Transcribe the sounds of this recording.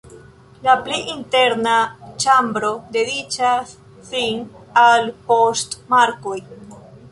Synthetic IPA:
lapliʔinteɾnat͡ʃambɾo̞de̞dit͡ʃasː | inalpo̞stmaɾko̞j

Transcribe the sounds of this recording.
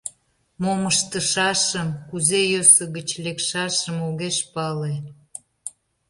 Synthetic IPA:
moməʃt̪əʃɑʃəmkuzejøsə̆ɣət͡ɕlekʃɑʃəmoɣeʃpɑle

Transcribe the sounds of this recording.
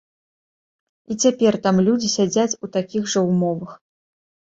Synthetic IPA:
it͡sʲapʲɛrt̪amlʲud͡zʲisʲad͡zʲat͡sʲut̪akʲiɣʐɐwmɔvɐx

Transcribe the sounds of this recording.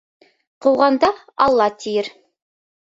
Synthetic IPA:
qʰuwʁɑnd̪ɑ | ɑlˠːɑt̪ʰijɘɾ

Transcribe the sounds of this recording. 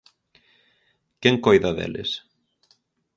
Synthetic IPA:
cɛŋkoːjðaðɛ̰ːlɪ̰s

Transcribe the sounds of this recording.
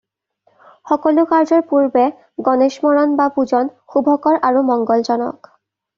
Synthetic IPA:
xɔkɔlʊkaɹzɔɹpuɹbɛ | ɡɔneʃmɔɹɔnbapuzɔnxubʱɔkɔɹʔaɹumɔŋɡɔlzɔnɔ̰k

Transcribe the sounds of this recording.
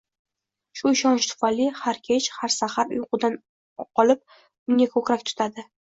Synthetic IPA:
ʃʊɪʃɒnt͡ʃt̪ʰʊ̥falɪhaɾkʲʰe̞t͡ʃhaɾsahaɾʊ̰jʊqʊd̪an | qʰɒlɪp̚ | ʊŋʲakʰɵkʲɾakʲt̪ʰʊ̥t̪ʰad̪ɪ

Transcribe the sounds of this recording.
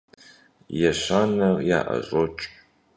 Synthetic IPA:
jɛɕaːnɐrja̰ːʔɐ̰ɕʼot͡ʃʼ

